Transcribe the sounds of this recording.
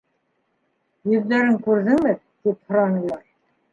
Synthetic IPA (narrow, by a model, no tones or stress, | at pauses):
jɵ̆ðlæɾɘŋkʉɾðɘŋmɘ | t̪iphŏɾɑnɤ̆lˠɑɾ